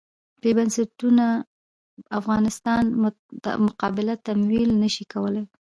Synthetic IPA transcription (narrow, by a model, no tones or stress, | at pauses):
bebansaʈuna | afɣɑnɪst̪ɑn̰ | mʊqɑbɪlat̪amwilnəʃikawəlaj